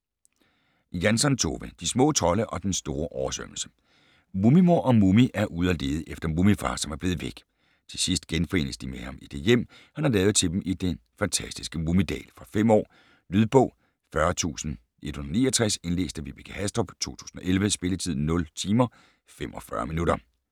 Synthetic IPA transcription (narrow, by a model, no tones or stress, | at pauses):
jænsɒ̽nt͡sʰo̝ːʋəd̥ismɔ̰̽ːt͡sʰɒ̽ləʔɒ̽d̥ensd̥o̝ːɐʔɒʊɐsøml̩sə̥ | mumimo̝ɐ̰ʔɒ̽mumiʔæɐʔuðˠɐle̝̰ːð̞̩ˠʔefd̥ɐmumifɑ̈ːsɒ̽mæɐb̥leːð̞̩ˠʋeɡ̥ | t͡sʰe̝sisd̥ɡ̥enfɒe̝̰ːnəsd̥imehɑ̈mid̥e̝jem̰ | hænhɑ̈lɛːʊð̩ˠt͡sʰe̝d̥em̩ʔid̥en | fænt͡sʰæsd̥isɡ̥əmumid̥ɛ̰ːlfʁɑ̈fem̰ɒ̰ː | lyð̞ˠb̥ɔ̽ʊ̰ | fɶɐt͡sʰṵːsn̩ | ʔe̝d̥hunˠnḭːɒt͡sʰʁase̝nle̝̰ːsd̥æʋib̥iɡ̥ʰəhæsd̥ʁɒb̥t͡sʰo̝̰ːt͡sʰu̥̰ːsn̩ɒ̽ʔelʋəsb̥e̝lət͡sʰið̰ˠn̩nːɔ̽lt͡sʰiːmɐ | fem̰ʔɒ̽fɶɐminuɾɐ